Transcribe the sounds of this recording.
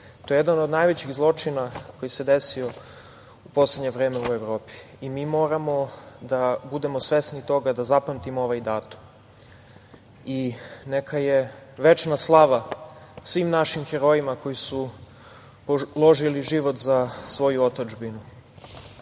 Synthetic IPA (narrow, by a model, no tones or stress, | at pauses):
t̪o̞jeed̪anod̪najʋet͡ɕiɣzlˠo̞t͡ʂinako̞jise̞d̪e̞sio̞ | upo̞sle̞d̪ɲe̞ʋɾeːme̞ue̞vɾo̞ːpi̥ːmiːmo̞ːɾamo̞d̪abud̪e̞mo̞sʋe̞snit̪o̞ɡad̪azapamt̪imooʋajd̪aːt̪u̥m | inekʰajeʋe̞t͡ʃnaslˠaʋasʋiːmnaʃimxeɾo̞jimako̞jisu | polˠo̞ʒiliʒiʋot̪zasʋo̞juo̞t̪od͡ʒbinu